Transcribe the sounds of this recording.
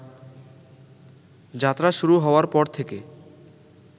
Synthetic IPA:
d͡ʑat̪ːɾaʃuɾuɦɔoaɾpɔɾt̪ʰeke

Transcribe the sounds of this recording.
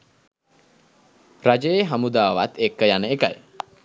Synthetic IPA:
rad͡ʒəjeɦamud̪aːʋa̰t̪ekːəjanəeka̰j

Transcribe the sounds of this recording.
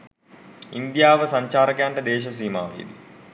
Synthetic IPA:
ind̪ijaːʋəsaɲt͡ʃaːɾəkejaɳʈəd̪eːʃɐs̬iːma̰ːʋḛd̪i

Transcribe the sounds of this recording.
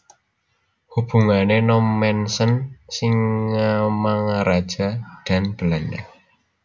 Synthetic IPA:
hub̥ṳŋanenɔmːɛnsənsiŋːamaŋaɾad̥ʒ̥a̤d̪̥a̤nb̥ə̤lanɛh

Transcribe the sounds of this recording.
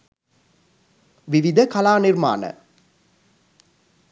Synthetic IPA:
ʋiʋid̪ʱəkalaːnirma̰ːnə̰

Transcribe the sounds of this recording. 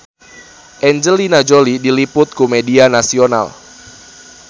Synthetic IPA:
ʔɛɲd͡ʒəlinad͡ʒolidilipʊt̪̚kumedianasiona̰l

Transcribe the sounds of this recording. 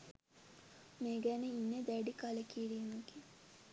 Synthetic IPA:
meːɡæneinːed̪æɖikalekiɾimeɡi

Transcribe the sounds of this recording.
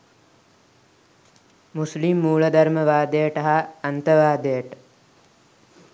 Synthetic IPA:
muslimːuːɭəd̪aɾməʋaːd̪ejəʈəɦaːnt̪əʋaːd̪ejəʈə̥

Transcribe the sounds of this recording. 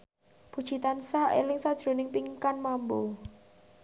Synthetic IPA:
b̥u̥ʒ̥i̤t̪ansaʔḛlɪŋsad̥ʒ̥ɾo̤nɪŋpiŋkanmambo

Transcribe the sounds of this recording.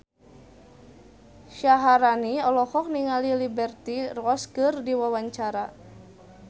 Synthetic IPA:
ʃaɦaɾaniɔlɔhɔk̚niŋalilibɛrt̪irɔskɨrdiwawaɲt͡ʃaɾa

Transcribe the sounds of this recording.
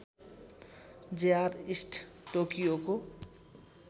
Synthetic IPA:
d͡ʒejaɾisʈʰʈokijoko

